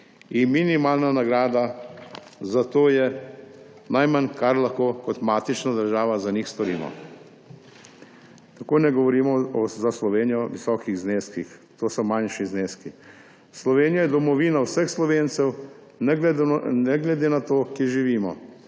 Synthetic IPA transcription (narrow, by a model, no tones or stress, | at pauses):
inminimaːlnanaɡɾaːd̪a | zat̪oːjɛ | najmankaɾlaxkoːkɔt̪maːt̪it͡ʃnad̪əɾʒaːʋazaniːxst̪ɔɾḭːmɔ̰ | t̪akoːnɛɡɔʋɔɾiːmɔɔzaslɔʋeːnijɔʋisɔːkiɣzneːskixt̪oːsɔmanʃizneːski | slɔʋeːnijajɛd̪ɔmɔʋiːnawsəxslɔʋeːnt̪sɛw | n | nɛɡlɛd̪eːnat̪oːkjeɾʒiʋiːmɔ̰